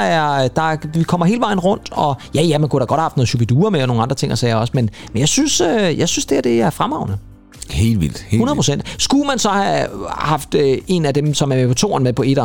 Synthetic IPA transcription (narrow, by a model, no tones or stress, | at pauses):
æɐd̥ɑ̈ʋikʰɒ̽m̰ɐɦe̝ːləʋɑ̈ɪ̰n̩ʁɔ̽n̰d̥ɒ̽jæjæmænkud̥ɑ̈ɡɒɾ̥hæhɑfd̥noːð̩ˠɕubʰed̥uːɐmeɒno̝ːŋ̩ɑ̈nd̥ʁɐ̥t͡sʰe̝ŋ̰ɐsɛːɒ̽smenmenjɑ̈ɪsynsøjɑ̈ɪsynsd̥e̝æd̥e̝æɐfʁamɑ̈ʊ̰nə | he̝̰ːlʋḭl̰d̥heunɐðpʰʁosen̰d̥sɡ̥umænsɒ̽hæhɑ̈fd̥øe̝næd̥emsɒ̽mæɐmepʰɒ̽t͡sʰo̝̰ːɐnmepʰɒ̽e̝ɾ̥ɐ